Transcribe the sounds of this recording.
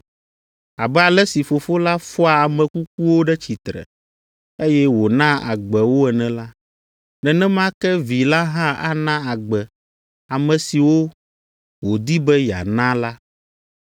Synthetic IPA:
a˨bɛ˦a˨lɛ˦si˨fo˨fo˦la˦fɔ˦a˨a˨mɛ̃˨ku˦k̚u˦wo˦ɖɛ˦t͡ɕi˨t̪ɾɛ̰˨ | e˦jɛ˦wo˨nã˦a̰˨ɡ͡bɛ˨wo˦ɛ˨nɛ̃˨la˦ | nɛ̃˨nɛ̃˦m˦ã˦kɛ˦vi˨la˦ɦã˦a̰˦nã˦a˨ɡ͡bɛ˨ | a˨mɛ̃˨si˨wo˦ | wo˨d̪i˦bɛ˦ja̰˨nã˦la˦

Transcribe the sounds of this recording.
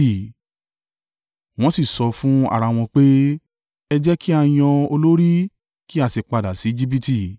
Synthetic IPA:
i˨ | w̃ɔ̃˦si˦˨sɔ˧fũ˦a̰˦˨ɾa˧w̃ɔ̃˧k͡pe˦ | ɛ˧d͡ʒɛ˦ki˦a˧j̃ɔ̃˧o˧lo˦ɾi˦ | ki˦a˧˨si˨k͡pa˧da˨si˨˦d͡ʒi˦b̬i˦ti˧˨

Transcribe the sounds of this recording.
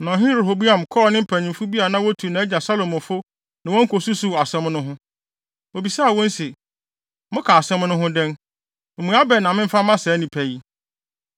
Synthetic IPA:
nɔ̃˨ɦɪ̃˦ɾe˨ɦo˨bu˦ã˨m˨kʰɔː˦˨nɪ̃˦m̩˦pʰæ̃˨ɲɪ̃˨m̩˨fu˦bi˦a˨nã˦wɔ˦tʰu˨nã˨˦æ˦d͡ʑa˨sa˦lo˨mɔ̃˨fʊ˦ | nã˨wɔ̃˦ŋ̩˦kʰo˨su˦su˨a˨sɛ̃˦mnʊ̃˦ɦʊ̃˦ | o˨bi˨saː˦˨wɔ̃˦n˦se˨ | mʊ̃˦kʰa˨a˨sɛ̃˦mnʊ̃˦ɦʊ̃˦dɛ̃˦n̩˨ | mũ˨˦a˦bɛ˨nã˨mɪ̃˦m̩˦fa˦mã˦sɛː˨˦nĩ˨pʰæ˨ji˦

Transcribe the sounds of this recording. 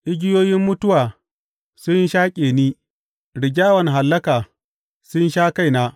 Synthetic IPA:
ʔɪ˦ɡʲɪ˦joː˦jɪ˦mːʊ˦tʊ˦waː˨ | sʊ˦ɲ˦ʃaː˦kʲʼeː˨niː˦ | ɽɪ˨ɡʲaː˦wɐ˨n˨ɦa˨lːɐ˦kaː˨ | sʊ˦nʃaː˦ka˦˨jnaː˦

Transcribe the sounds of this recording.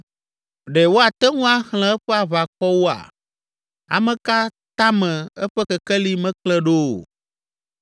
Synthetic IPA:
ɖɛ˨wo˦a˨t̪ɛ˦ŋũ˦a˨hl̃ɛ̃˨ɛ˦ɸɛ˦a˨βa˨kɔ˦wo˦a̰˨ | a̰˨mɛ̃˨ka˦t̪a˦mɛ̃˨ɛ˦ɸɛ˦kɛ˨kɛ˦li˦mɛ̃˦klɛ˦ɖo˦˨

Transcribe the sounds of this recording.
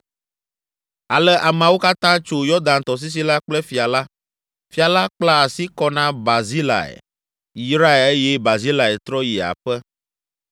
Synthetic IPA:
a˨lɛ˦ʔa˨mã˨wo˦ka˦t̪ã˦t͡ʃo˦jɔ˦d̪ã˨nt̪ɔ˨s̬i˦s̬i˦la˦k͡plɛ˦fi˨a˨la˦ | fi˨a˨la˦k͡pla˦a˨si˦kɔ˦nã˦ba˨zi˦la̰˨ɛ̰˨ | i˦sɾa˦e˨e˦jɛ˦ba˨zi˦la˨ɛ˨t̪ɾɔ˦ji˨a̰˨ɸɛ˦

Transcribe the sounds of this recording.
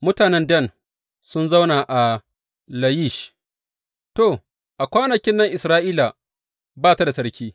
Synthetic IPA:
mʊ˦taː˨nɛ˦ndɐ˦˨n | sʊ˦nza˦wnaː˨ʔa˨ | lɐ˨ji˦˨ʃ | to˨ | ʔa˨kʷaː˦nɐ˨kʲɪ˦nːɐ˦ŋʔɪ˨sɾaː˦ʔiː˦la˨ | baː˦ta˦da˨sɐ˦ɽkʲiː˦

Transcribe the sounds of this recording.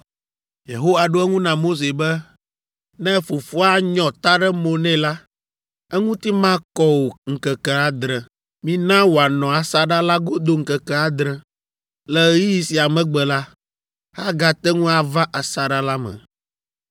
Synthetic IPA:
jḛ˨ɦo˦wa˨ɖo˦ɛ˦ŋũ˦nã˨mo˦s̬e˨bɛ˦ | nɛ̃˦fo˨fo˦a˦ɲɔ̃˨t̪a˦ɖɛ˦mõ˨nɛ̃˦la˦ | ɛ˦ŋũ˦t̪i˦mã˦kɔ˦wo˨ŋ̩˨kɛ˨kɛ˦a˨d̪ɾɛ˨ | mĩ˦nã˦wo˨a˨nɔ̃˨a˨sa˦ɖa˦la˦ɡo˦d̪o˦ŋ̩˨kɛ˨kɛ˦a˨d̪ɾɛ̃˨ | lɛ˦ji˦ji˨si˨a˨mɛ̃˨ɡ͡bɛ˨la˦ | ha˦ɡa˨t̪ɛ˦ŋũ˦a˨va˦ʔa˨sa˨ɖa˦la˦mɛ̰̃˨

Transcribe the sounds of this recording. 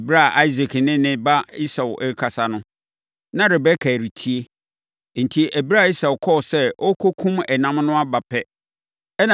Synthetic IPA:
bi˦ɾa˦˨ʔa˦i˦z̬i˨knɪ̃˦nɪ̃˦ba˦i˦sa˨wʔɛ˦kʰa˨sa˦nʊ̃˦ | nã˦ɾɪ˨bɛ˦kʰæː˨ɾi˨tʰi˦e˦ | n̩˨tʰi˦ʔæ˨bi˦ɾa˦˨i˦sa˨wkʰɔ˦˨sɛ˦ʔɔ˦kʰo˦kʰũ˦mɛ˨nã˦mnʊ̃˦a˦ba˨pʰɛ˦ | ɛ˦nã˨

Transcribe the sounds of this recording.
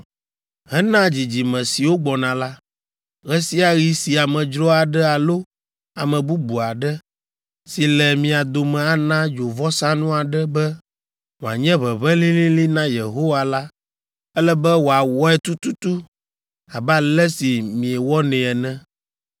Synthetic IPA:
ɦɛ˦nã˦d͡ʑi˨d͡ʑi˨mɛ̃˨si˨wo˦ɡ͡bɔ˨nã˨la˦ | ɣɛ˦si˦a˨ɣi˦si˨a˨mɛ̃˨d͡ʒɾɔ˦a˨ɖɛ˦a˨lo˦ | a˨mɛ̃˨bu˦bu˨a˨ɖɛ˦ | si˨lɛ˨mĩ˨a˨d̪o˨mɛ̃˨a˨nã˦d͡ʒo˨vɔ˦sã˦nũ˦a˨ɖɛ˦bɛ˦ | ŋõ˨a̰˨ɲɛ̃˦βɛ˨βɛ˦lĩ˦lĩ˦li˦nã˦je˨ɦo˦wa˨la˦ | ɛ˦lɛ˦bɛ˦wo˨a˨wɔ˦ɛ˦t̪u˦t̪u˦t̪u˦ | a˨ba˦lɛ˦si˨mĩ˨ɛ˨wɔ˦nɛ̃˨ɛ˨nɛ̃˦

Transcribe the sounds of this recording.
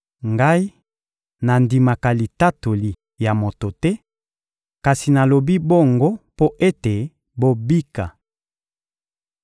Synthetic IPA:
ŋɡa˦i˦ | na˨ndi˨ma˨ka˨li˨ta˦to˨li˨ | ja˨mo˨to˨tɛ˦ | ka˨si˨na˨lo˨bi˦bo˦ŋɡo˦po˦ʔe˦te˨ | bo˦bi˦ka˨

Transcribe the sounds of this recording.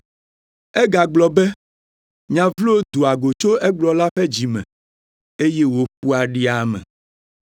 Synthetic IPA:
ɛ˦ɡa˨ɡ͡blɔ˨bɛ˦ | ɲã˨vlo˦d̪u˨a˨ɡo˨t͡ʃo˦ɛ˦ɡ͡blɔ˨la˦ɸɛ˦d͡ʑi˨mɛ̰̃˨ | e˦je˦wo˨ɸu˦a˨ɖi˦a˨mɛ̰̃˨

